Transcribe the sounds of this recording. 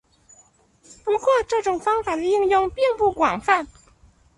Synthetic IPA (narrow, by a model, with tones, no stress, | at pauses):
pu˧˥kwɔ˥˧ʈ͡ʂɤ˥˩ʈ͡ʂʊ˨˩ŋfɑ˥ŋfa˨˩d̪ə˧i˥˧ŋjʊ˥˧ŋpji˥˧npu˥˩kwɑ˨˩ŋfa˥˩n